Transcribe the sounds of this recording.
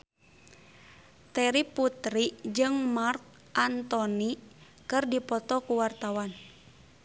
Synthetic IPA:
t̪ɛɾiput̪ɾid͡ʒɨŋmark̚ | ʔant̪ɔni | kɨrdipɔt̪ɔkuwart̪awan

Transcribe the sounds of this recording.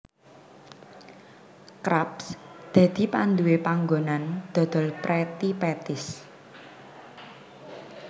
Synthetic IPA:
kɾapsd̪̥ä̤d̪̥i̤pand̪uwepaŋɡonand̪̥ɔ̤d̪̥ɔ̤lpɾet̪ipet̪ɪs

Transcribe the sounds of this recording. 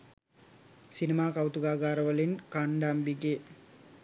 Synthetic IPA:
sinimaːkawt̪uɡaːɡaːɾəʋəlinkaɳɖambiɡe

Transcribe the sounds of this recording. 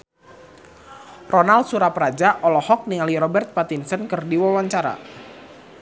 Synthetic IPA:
rʔɔnal̚suɾapɾad͡ʒaʔɔlɔhɔk̚nialiɾɔbɛrt̪̚pat̪insənkərdiwawaɲt͡ʃaɾa̰

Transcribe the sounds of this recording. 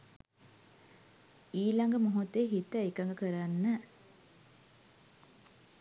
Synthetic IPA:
iːlɐŋɡəmoɦut̪ːeɦit̪əekaŋɡəkəɾanːə

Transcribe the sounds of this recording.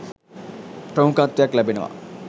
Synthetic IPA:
pɾɐmukãt̪ːjaklɐbʱinɐʋa̰

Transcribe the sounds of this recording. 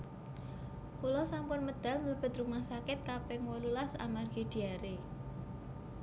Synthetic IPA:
kulɔsampʊnməd̪̥a̤lməb̥ə̤t̪rumahsakɪt̪̚kapɛŋwɔlulasa̰marɡ̥i̤d̪̥i̤aɾe

